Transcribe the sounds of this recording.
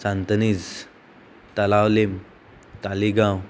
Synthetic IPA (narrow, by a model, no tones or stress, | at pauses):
sant̪ənid͡z | t̪əlawlem | t̪aliɡãw